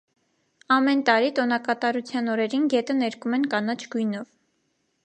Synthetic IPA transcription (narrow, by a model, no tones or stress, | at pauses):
ɑmɛnt̪ɑɾit̪ɔnɑkɑt̪ɑɾut͡sʰjɑnɔɾɛɾinɡɛt̪ənɛɾkumɛnkɑnɑt͡ʃʰɡujnɔv